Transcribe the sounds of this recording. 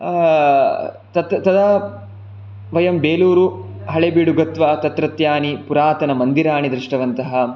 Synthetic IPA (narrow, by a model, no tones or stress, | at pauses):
t̪ɐt̪t̪ɐd̪a | ʋɐjɐmbeːluːɾu | ɦɐɭebiːɽuɡɐt̪ʋaːt̪ɐt̪ɾɐt̪jaːnipuɾaːt̪ɐnɐmɐnd̪iɾaːɳid̪ɾiʂʈɐʋɐnt̪ɐɦɐ